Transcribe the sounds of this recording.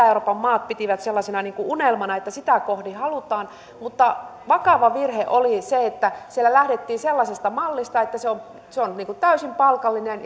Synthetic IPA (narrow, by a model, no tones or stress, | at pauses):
euroːpɑmmɑːt̪̚pit̪iʋæt̪selːɑsenɑniːŋkuʔunelmɑnɑet̪ːæsit̪ækohdihɑlut̪ɑːn | mut̪ːɑʋɑkɑʋɑʋirheʔoliseet̪ːæsielːælæhdet̪ːiːnselːɑsest̪ɑmɑlːist̪ɑet̪ːæseom | seonniːŋkut̪æysimpɑlkɑlːinen